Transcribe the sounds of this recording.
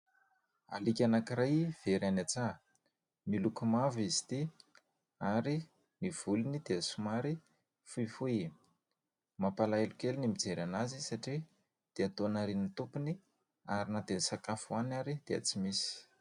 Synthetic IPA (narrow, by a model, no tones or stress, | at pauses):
a̰likʲanakiɾajv̥eɾanat͡sa | nilukumavizi̥t̪i | aɾi | niv̥ulunid̪̥easumaɾi | fuifui | mapalaelukʲelinimid͡zeɾanazisaʈ͡ʂi | d̪̥eat̪onaɾinit̪upuni | aɾinad̪esakafuanaɾid̪̥ea̰t͡simisi̥